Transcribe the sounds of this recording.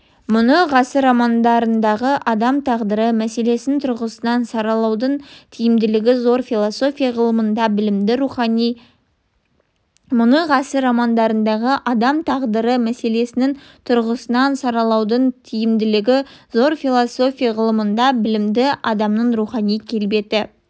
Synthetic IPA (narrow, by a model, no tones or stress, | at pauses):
mʊnəʁɑsəɾɑmɑnd̪ɑɾənd̪ɑʁəʔɑd̪ɑmt̪ʰɑʁd̪əɾəmæse̞le̞sɪnt̪ʰʊɾʁəsənɑnsɑɾɑlˠɑwd̪əɴt̪ʰijɪmd̪ɪlɪɡʲɪzo̞ɾfilˠoso̞fʲijaʁəlˠəmənd̪ɑbɪlɪmd̪ɪɾuχɑnij | mʊnəʁɑsəɾɑmɑnd̪ɑɾənd̪ɑʁəʔɑd̪ɑmt̪ʰɑʁd̪əɾəmæse̞le̞sɪnɪŋ | t̪ʰʊɾʁəsənɑnsɑɾɑlˠɑwd̪əɴt̪ʰijɪmd̪ɪlɪɡʲɪzo̞ɾfilˠoso̞fʲijaʁəlˠəmənd̪ɑbɪlɪmd̪ɪʔɑd̪ɑmnəɴɾuχɑnijkʲʰe̞lbe̞t̪ɪ